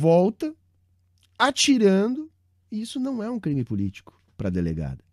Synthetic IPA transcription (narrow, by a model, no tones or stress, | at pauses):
vɔwt̪ɐ | at͡ʃiɾɐ̃nd̪ʊ | iisʊnɐ̃w̃ɛũkɾĩmɪpʊlit͡ʃi̥kʊ̥ | pɾɐd̪elḛɡa̰d̪ɐ